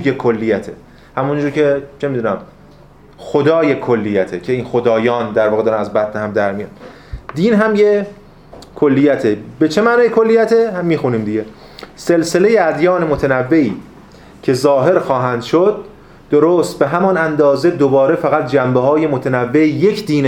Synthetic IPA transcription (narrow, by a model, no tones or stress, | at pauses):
jekʰolːijæt̪ʰḛ | hæmund͡ʒuːɾcʰe̞t͡ʃʰemid̪uːnæm | xod̪ɒːjekʰolːijæt̪ʰecʰeiːnxo̞d̪ɒːjɒːnd̪æɾvɒːɣed̪ɒːɾænæzbæt̪nehæmd̪æɾmijɑ̰d̪ | d̪iːnɦæmje | kʰolːijæt̪ʰebe̞t͡ʃʰe̞mæːnɒːjekʰolːijæt̪ʰehæmːiːxuniːmd̪iɟe̞ | se̞lse̞le̞jeæd̪jɒːnemot̪ʰenævːe̞iː | cʰe̞zɒːɦe̞ɾxɒːɦænd̪̥ʃod̪̚ː | oɾoːst̪̚be̞ɦæmɒnænd̪ɒːzed̪obɒːɾefæɣæt̪̚d͡ʒæmbeɦɒːje̞mot̪ʰenævːejecʰd̪iːn